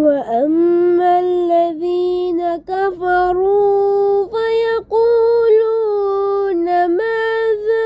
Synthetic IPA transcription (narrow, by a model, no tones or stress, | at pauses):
waʔamːalːaðiːnakafɑɾˤu | fajɑquːluːnamaːða